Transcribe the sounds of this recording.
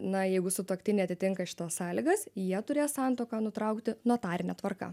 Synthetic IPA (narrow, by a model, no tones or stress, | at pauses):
nɐjɛɪɡʊsʊt̪oɔkt̪ʲɪnʲɛɪɐt̪ʲɪt̪ʲɪŋkɐʃʲɪ̥t̪ɐssɑːlʲɪɡɐsjiɛt̪ʊɾʲeːssɑnt̪oːkɑnʊt̪ɾɐʊkt̪ʲɪnot̪ɑːɾʲɪnʲɛt̪ʋɐrkɐ̰